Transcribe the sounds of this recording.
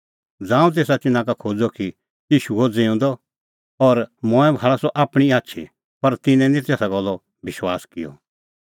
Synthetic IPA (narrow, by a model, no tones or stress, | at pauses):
d͡zãːũt̪̬eːsat͡ʃɪnãkakʰoːd͡zɔki | iːʃuod͡zeũnd̪ɔ | ɔɾmɔ̃ːɛ̃bʱaːɭasɔʔaːpɽ̃iaːtːʃʰḭ | pɐɾt̪ɪnɛ̃nĩt̪ɛːsaɡɔlːɔ | bɪʃwaːskɪjɔ̰